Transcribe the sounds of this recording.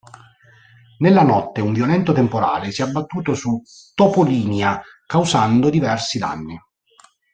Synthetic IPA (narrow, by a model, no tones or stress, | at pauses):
nelːanɔt̪ːeuɱvjolɛnt̪ot̪empoɾa̰ːlesjiɛabːat̪ːuːt̪osu | t̪ːopoliːnja | kawsand̪od̪ivɛrsid̪a̰nːi